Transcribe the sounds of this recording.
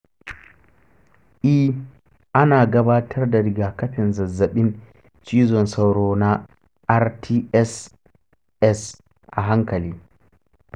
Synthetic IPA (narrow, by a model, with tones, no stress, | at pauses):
ʔi˦ | ʔa˦na˨ɡabaː˦tʰɐ˦ɾdaɾiɡaka˦ɸɛ˨nza˨zːa˨ɓi˦n | t͡ʃiː˦zɔ˨nsa˨wɾɔ˨na | ʔa˦ɾtʰi˦ɛs | ɛs | ʔaɦa˦ŋkali